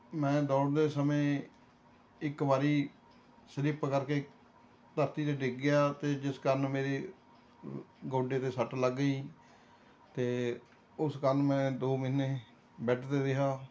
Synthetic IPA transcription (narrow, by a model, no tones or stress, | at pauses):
mɛ̃ːd̪ɔːɽd̪eːsəmẽː | ɪkbaːɾiː | səɾɪpkəɾkeː | t̪əɾt̪iːt̪eːɖɪɡɡɪjaːt̪eːd͡ʒɪskəɾnmeːɾeː | ɡoːɖeːt̪eːsəʈləɡːəiː | t̪eː | ʊskəɾnmɛ̃ːd̪oːmiːneː | bɛːʈʰt̪eːɾɪɦaː